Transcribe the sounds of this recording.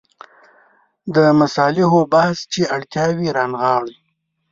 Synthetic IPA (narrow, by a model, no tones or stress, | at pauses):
d̪əmasɑlɪɦobahst͡ʃeʔaɽt̪jɑwiɾɑnɣɑɽ